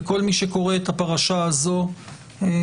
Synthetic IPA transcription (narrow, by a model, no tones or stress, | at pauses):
ko̞lmiʃeko̞ʁeet̪apaʁaʃaazo̞